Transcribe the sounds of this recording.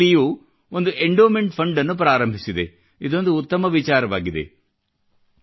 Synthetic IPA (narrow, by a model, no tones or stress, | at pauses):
ijuː | ond̪uʔeɳɖoːmeɳʈpʰɐɳɖɐnːup̬ɾaːɾɐmbʱisid̪e̞ | id̪o̞nd̪uːt̪ːɐmɐʋit͡ʃaːɾɐʋaːɡid̪e̞̰